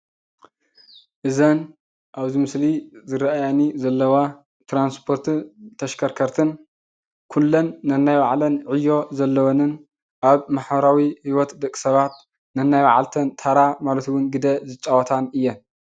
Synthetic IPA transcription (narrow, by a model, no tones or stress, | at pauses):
ʔɨzɐn | ʔaβzimɨslizɨɾaʔajanizɐlːɐwa | t̪ɾanspʰo̞ɾt̪ʰut̪ʰɐʃkʰɐɾkʰɐɾt̪ʰɨn | kʰulːɐnːɐnːajwaʕlɐnʕɨjːo̞zɐlːɐwonɨn | ʔaβmaħβɐɾawihiwɔt̪d̪ɐkʼːi̥sɐβat̪̚ | nɐnːajwa̰ʕalt̪ʰɐnt̪ʰaɾamalɐt̪ʰuwʊnɡɨd̪ɐzɨt͡ʃʼawɐt̪ʰanɨjːɛn